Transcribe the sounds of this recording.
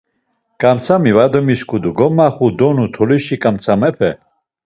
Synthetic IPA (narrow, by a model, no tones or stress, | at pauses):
kʼamt͡sʰamivad̪ɔmiskʰud̪uɡɔmaχud̪ɔnut̪ʰɔliʃikʼamt͡sʰamɛpʰɛ